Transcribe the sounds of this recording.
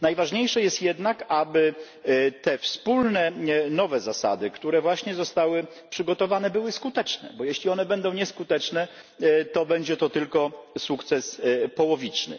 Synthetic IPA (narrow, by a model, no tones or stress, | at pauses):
najvaʐɲejʂɛjɛst̪jɛd̪nakabɘ | t̪ɛfspulnɛnɔvɛzasa̰d̪ɘkt̪uɾɛvwaɕɲɛzɔst̪awɘ | pʂɘɡɔt̪ɔvanɛbɘwɘskut̪ɛt͡ʂnɛ̰bɔjɛɕlʲiɔnɛbɛnd̪ɔ̃w̃ɲɛskut̪ɛt͡ʂnɛ | t̪ɔbɛɲd͡ʑɛt̪ɔt̪ɘlkɔsukt̪sɛspɔwɔvʲit͡ʂnɘ̰